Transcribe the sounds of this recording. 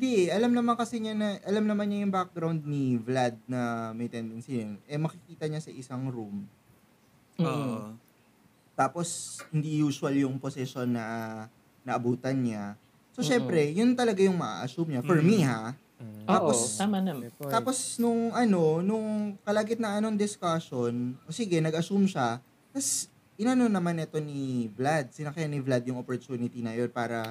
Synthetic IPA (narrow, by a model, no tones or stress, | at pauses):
hɪnd̪iʔɛʔɐlamnɐmankɐsɛɲanɐʔɐlamnɐmanɲajʊŋbak̚ɡɾawnd̪̚nivlad̪̚nɐmɐjt̪ɛnd̪ɛnsijɐnʔɛmɐkɪkiːt̪ɐɲasɐʔɪsaŋɾum | o | t̪aːpo̞shɪnd̪ijuːsʊɐljʊŋposɛʃo̞nːɐ | nɐʔɐbuːt̪ɐnɲa | soʃɛmpɾɛjʊnt̪ɐlɐɡajʊŋmɐʔa̰ʔɐsumɲafɔɹmiɦa | aːposamanamaːpo̞snʊŋʔɐno̞nʊŋkɐlaɡɪt̪nɐʔɐnoŋd̪ɪskaʃonʔoːsiɡɛnɐɡʔɐsumʃa | k̪ɐs | ʔɪnɐnonɐmanɛt̪o̞nivlad̪̚sɪnɐkjanivlad̪̚jʊŋopoɹt̪uːnɪt̪inɐjo̞npaːɾɐ